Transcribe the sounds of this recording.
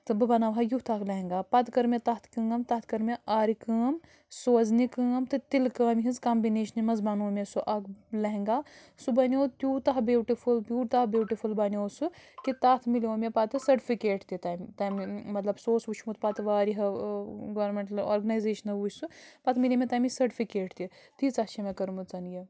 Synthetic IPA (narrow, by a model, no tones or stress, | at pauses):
t̪ɨbɨbɐnaːʋɦajut̪ʰaːklɐɦŋɡaːpɐt̪kɐɾmet̪aːt̪ʰkɐːɐmt̪aːt̪ʰkɐɾmeʔaːɾikaːm | soɐznikãːmt̪ɨt̪ilkaːmɦizkaːmbineːʃɐnimɐzbanoːmʲesuʔɐklɐɦŋɡaː | subɐnʲoːt̪ʲjuːt̪ɐɦbuːʈifulbʲjuːʈt̪abʲjuːʈifʰulbɐnʲoːsɨkit̪aːt̪ʰmilʲoːmʲepaːt̪ɨsɐɾʈifʰikeːʈt̪it̪aːjmt̪aːmimɐt̪lɐbsoːsʋut͡ʃʰmut̪̚paːt̪ʋaːɾiɦɐɡʋɐɾmeɳʈɐlo̰ːɾɡɐnaːjzeːʃɐnɐʋuːsupaːt̪ʰmilʲiːmʲet̪aːmisɐɾʈifʰikeːʈt̪it̪it͡satt͡ʃʰemɐkɐɾmut͡sɐnjɐ